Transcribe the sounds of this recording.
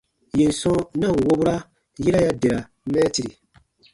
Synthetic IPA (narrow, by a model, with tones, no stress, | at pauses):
je˨n̩˨sɔ̃˦nã˦˨wo˦bu˦ɾa˦ | ji˦ɾa˦ja˦de˨ɾa˨ | mɛː˦ti˨ɾi˨